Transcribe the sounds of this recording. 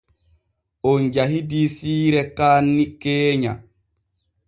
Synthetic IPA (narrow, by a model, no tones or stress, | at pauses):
ɔnd͡ʒaɦidisiːɾɛkaːnːikeːɲa̰